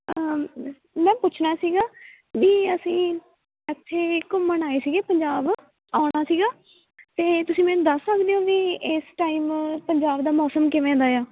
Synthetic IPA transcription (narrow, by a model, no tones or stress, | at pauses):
ə | mɛ̃ːpʊt͡ʃʰnaːsiːɡaː | ʋiːəsĩː | ɛt̪ʰːeːkʊmənaːeːsiːɡeːpəɲd͡ʒaːb | aːʊɽaːsiːɡaː | t̪eːt̪ʊsĩːmɛ̃ːnũːd̪əsːəkd̪eːõːʋiːɪsʈaːiːmpəɲd͡ʒaːbd̪aːmɔːsəmkɪʋẽːnd̪aːjaː